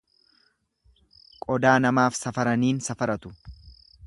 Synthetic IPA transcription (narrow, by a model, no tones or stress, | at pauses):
kʼɔd̪aːnɐmaːfsɐfɐɾɐniːnsɐfɐɾɐt̪ʊ